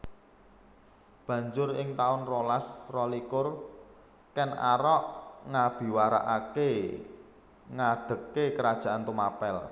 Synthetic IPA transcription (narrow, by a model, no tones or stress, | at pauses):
b̥ä̤ɲd͡ʒʊɾɪŋt̪aʊnrolasrɔlikʊr | kɛna̰ɾɔʔŋab̥i̤waɾa̰ʔake | ŋaɖ̪̥ə̤kːekəɾad̥ʒ̥ä̤ʔant̪umapɛl